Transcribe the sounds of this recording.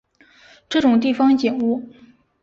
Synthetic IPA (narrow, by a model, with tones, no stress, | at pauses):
ʈ͡ʂɤ˥˩ʈ͡ʂʊ˨˩ŋt̪̬i˥˩fɑ˥ŋt͡ɕjɛ˨˩nu˥˩